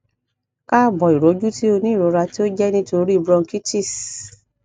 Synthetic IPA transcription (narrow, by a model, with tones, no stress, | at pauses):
ka˦˨bɔ˨i˨ɾɔ˨˦d͡ʒu˦ti˦o˧nĩ˦˨ɾɔ˨˦ɾa˧ti˦o˦d͡ʒɛ˦nĩ˧to˧ɾi˦i˧bɾɔ˧ŋ̩˦ki˦t͡ʃi˦˨s